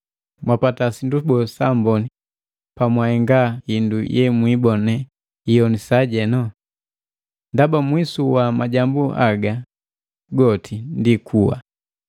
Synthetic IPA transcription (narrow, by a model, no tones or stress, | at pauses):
mwapatasindubɔsambɔni | pamwahɛŋɡahindujʔɛmwibɔnɛ | ijɔnisaɟɛnɔ | ndabamwisuwamaɟambuaɡa | ɡɔtʰindikʰuwa̰